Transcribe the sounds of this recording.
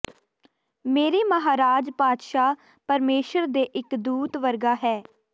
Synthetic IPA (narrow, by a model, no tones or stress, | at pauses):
meːɾeːməɦaːɾaːd͡ʒpaːt̪ʃaː | pəɾmeːʃəɾd̪eːʔɪkd̪uːt̪ʋəɾɡaːɦɛː